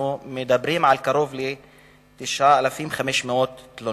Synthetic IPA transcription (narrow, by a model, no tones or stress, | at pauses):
mɪd̪abɾiːmʕalkaɾoːvli | t̪ɪʃaːʔalafiːmxamiʃmoːt̪lo